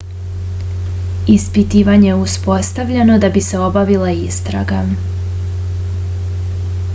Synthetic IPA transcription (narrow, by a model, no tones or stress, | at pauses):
ispit̪iːʋaɲe̞uspo̞st̪aʋʎano̞d̪abise̞o̞baʋilaist̪ɾa̰ɡa